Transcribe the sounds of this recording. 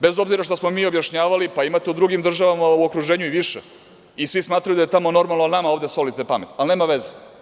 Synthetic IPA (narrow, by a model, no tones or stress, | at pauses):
bezo̞bziɾaʃt̪osmo̞miːo̞bjaʃɲaːʋalipaimat̪eud̪ɾuɡimd̪r̩ʒaʋamauokɾuʒeːɲuiʋiʃḛ | isʋismaːt̪ɾajud̪aje̞t̪amo̞no̞ɾmalˠnonamaoːʋd̪e̞so̞lit̪epame̞t̪alneːmaʋeze